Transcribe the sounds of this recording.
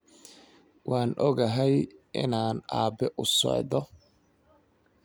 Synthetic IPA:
waːnʔɔɣɐɦɛjʔɪ̰naːna̰ːbɛʔʊsɔ̰ʕðɔ

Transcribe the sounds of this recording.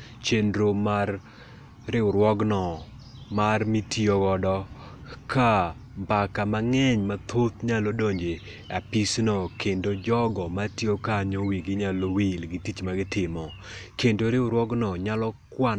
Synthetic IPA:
t͡ʃendɾomarː | ɪʊɾwɔɡnɔ | marmitioɡɔdɔ | ka | mbakamaŋɛɲmat̪ʰot̪ɲalodoɲd͡ʒe | apisnɔkendod͡ʒɔɡɔmatiokaɲowiɡɪɲalowilɡɪtit͡ʃmaɡɪtɪmɔ | kendoɾɪʊɾwɔɡnɔɲalɔkwa

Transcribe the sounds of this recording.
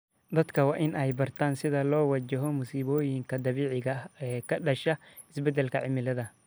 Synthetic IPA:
d̪ɐd̪kʰɐwɑːʔɪnʔɛjbɐrt̪ʰaːnsɪðɐlɔːwɑt͡ʃɐɦɔmʊsiːβɔːjɪŋkʰɐd̪ɐβiːʕɪɣɐɛːkʰɐɖɐʃɐ | ɪsbɛd̪ɛlkʰɐʕɪmɪlɐðɐ

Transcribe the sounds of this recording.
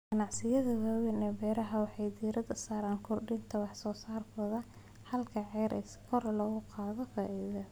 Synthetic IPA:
ɡɐnɑʕsɪjɐðɐwaːwɛnɛːbɛːɾɐɦɐwɑħɑjd̪iːɾɐd̪ɐsaːɾaːŋkʰʊrɖɪnt̪ʰɐwɑħsɔːsaːrkɔðɐ | hɐlkʰɐʕɛːɾʔɛ̰skʰɔrlɔːɣʊqɑːðɔfaːʔiðɐ

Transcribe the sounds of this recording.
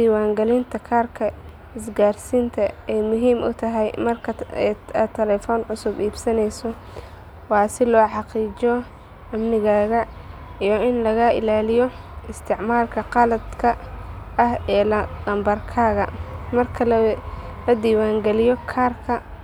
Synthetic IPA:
d̪iːwaːŋɡɛlɪnt̪ʰɐkʰaːrkʰɐ | ɪsɡaːrsiːnt̪ʰɐɛjmʊɦiːmʔʊ̰t̪ʰɐɦɛjmɐrkʰɐ | t̪ʰɛlɛːfɔːnʕʊsʊbiːbsɐnɛjsɔ | wɑːsɪlɔːħɑqiːd͡ʒɔ | ɐmnɪɣaːɣɐ | ijɔɪnlɐɣaʔɪ̰laːlɪjɔ | ɪst̪ʰɪʕmaːlkʰɐqɑlɐd̪kʰɐɐhɛːld̪ɐmbɐrkʰaːɣɐ̰mɐrkʰɐl | lɐd̪iːwaːŋɡɛlɪjɔkʰaːrkʰɐ

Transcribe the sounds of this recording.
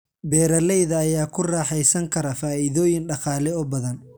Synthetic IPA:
bɛːɾɐlɛjðɐːjaːkʰʊrɑːħɛjsɐŋkʰɐɾɐfaːiðɔːjɪnɖɑqɑːlɛɔbɐðɐn

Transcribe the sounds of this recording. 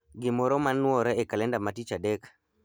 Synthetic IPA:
ɡɪmɔɾɔmanːwɔɾɛɛkalɛndamatit͡ʃadɛk

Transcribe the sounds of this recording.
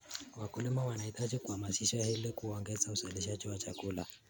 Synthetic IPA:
wakulimawanaitad͡ʒikuhamasiʃahilikuɔŋɡɛzauzɛlɛʃ̬ad͡ʒiwat͡ʃakula̰

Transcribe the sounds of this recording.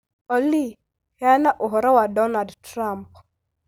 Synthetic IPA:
ɔli | hanaʔʊɦɔɾawadɔnadtɾamp̚

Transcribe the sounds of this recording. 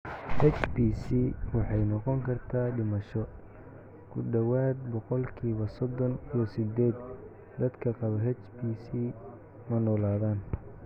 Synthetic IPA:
hɛt͡ʃbiːsiwɑħɑjnɔqɔŋkʰɐrt̪ʰaːɖɪmɐʃɔ | kʰʊɖɐwaːd̪̚bɔqɔlkʰiːβɐsɔd̪ɔniɔsɪd̪ɛːd̪ | d̪ɐd̪kʰɐqɑβɐɦɛt͡ʃbiːsiː | mɐnɔːlaːðaːn

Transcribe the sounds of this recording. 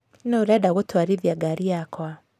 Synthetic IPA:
noɾɛdaɣotwaɾivjaɡaɾiakwa

